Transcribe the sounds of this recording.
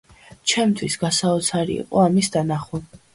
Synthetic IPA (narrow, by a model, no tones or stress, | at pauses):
t͡ʃʰɛmt̪ʰwisɡasaɔt̪sʰaɾḭḭqʼɔamisd̪anaχu